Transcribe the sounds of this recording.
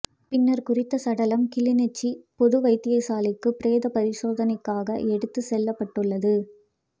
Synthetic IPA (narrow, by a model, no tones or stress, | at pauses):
pɪnːɐɾkʊrɪt̪ːɐsɐɽɐlɐmkɪlɪnɛt͡ʃːipɔðɯʋɐɪt̪ːɪjɐsaːlɪkːɯpɪɾeːðɐpɐɾɪʂoːðɐnɐɪkːaːɣɐʔɛɽɯt̪ːɯsɛlːɐpːɐʈːɯɭːɐðɯ